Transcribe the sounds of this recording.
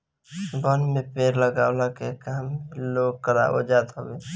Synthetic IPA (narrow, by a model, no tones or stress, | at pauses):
bənmepeːɾləɡawlakekameloɡ̚kəɾa̰ʔo̰d͡ʒad̪ɦobe